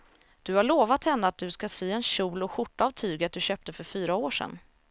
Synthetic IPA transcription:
d̪̥ɵhaɭoːvat̪hɛnːəat̪̚d̪ɵskasyːɛnɕuːlɔɧʊʈːavt̪ʰyːɡat̪̚d̪ɵɕøːp̚t̪əfœɾfyːɾaoːʂɛ̰nː

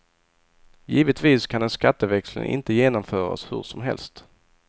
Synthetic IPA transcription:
jiːvət̪viːskʰand̪ɛnskat̪ːəvɛkslə̰nʔɪ̰nt̪əjeːnɔmfœːɾa̰shɵ̰ʂɔmɦɛ̰lst̪

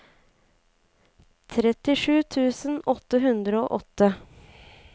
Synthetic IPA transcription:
t̪ʰɾɛt̪ɪʂʉːt̪ʰʉːsənɔt̪ːəɦʉnd̪ɾəoːʔɔt̪ːə

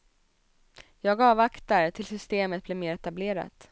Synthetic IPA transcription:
jɑːɡɑːvakt̪aɾt̪ʰɪlsʏst̪eːmət̪̚blɛmeːɾɛt̪ableːɾa̰t̪

